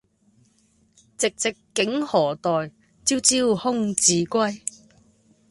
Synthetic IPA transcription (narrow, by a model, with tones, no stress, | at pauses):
t͡sɪ˨k̚t͡sɪ˨kːɪ˨˥ŋhɔː˨˩t̪ɔː˨j | t͡siː˥wt͡siː˥whʊ˥ŋt͡siː˨˥kʷɐ˥j